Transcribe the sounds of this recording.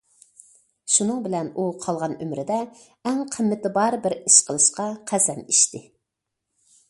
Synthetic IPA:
ʃunɨŋbɪlɛnuqʰɑlˠʁɑnømɾɪd̪ɛ | ɛŋqʰəmːɪt̪ɪbɑɾbɪɾiʃqʰəlˠɨʃqɑqʰæsɛniʃt̪ɪ

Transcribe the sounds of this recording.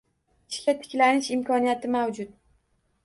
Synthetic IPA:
ɪ̥ʃkʲʰat̪ʰɪ̥kʲlanɪʃɪmkʰɒnijat̪ʰɪmawd͡ʒʊt̪̚

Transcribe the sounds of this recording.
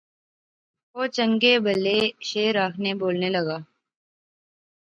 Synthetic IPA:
oːt͡ʃə̃ŋɡeːbəlːeːʃeːɾːaːkʰneboːlneːləɡaː

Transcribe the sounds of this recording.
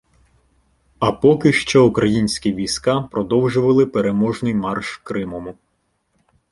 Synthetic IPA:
ɐpɔkɪʃt͡ʃɔukɾɐjinʲsʲkʲiʋʲijsʲkɑpɾɔd̪ɔwʒʊʋɐlˠɪpeɾemɔʒnɪjmɑrʃkɾɪmɔmʊ

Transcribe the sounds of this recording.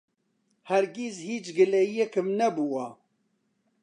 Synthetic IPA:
hæɾɡizhiːt͡ʃɡɨlɛijɛkɨmnɛbuwɑ

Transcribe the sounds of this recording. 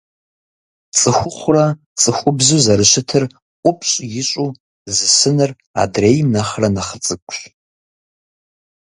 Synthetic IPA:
t͡sʼɨxʷʊχʷʊra | t͡sʼɨxʷʊbzuzɐɾɨʃɪtʰɨr | qʷʼʊpʰʼɕʼjɪɕʼu | zɨsɨnɨr | a̰drejmnaχrɐnaχət͡sʼɨkʷʼɕ

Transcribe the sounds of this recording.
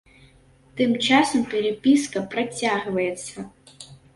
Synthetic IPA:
t̪ɨmt͡ʂasɐmpʲɛɾepʲiskɐpɾɐt͡sʲaɣvɐjɛt̪sːɐ

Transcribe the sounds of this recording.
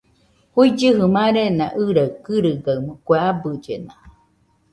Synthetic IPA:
huid͡ʒɨɦɯmãɾenã̰ʔɨɾakɨɾɨɡaɯmɨkʷeabɯd͡ʒena

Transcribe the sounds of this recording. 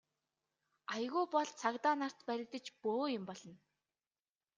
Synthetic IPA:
ajɣuːpɔɮt͡sʰakt̪aːnar̥t̪pæɾʲɪ̆kt̪ə̆t͡ɕpoːjʊ̆mpɔɮɞ̆n

